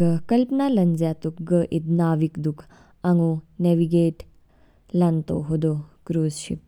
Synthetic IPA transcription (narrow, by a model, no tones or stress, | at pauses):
ɡəkɐlpnalɐnzjat̪ukɡəʔid̪naːʋikd̪ukʰ | ɐŋoneʋiɡeːʈ | lɐnt̪o̰ɦod̪okɾuːzʃḭp̚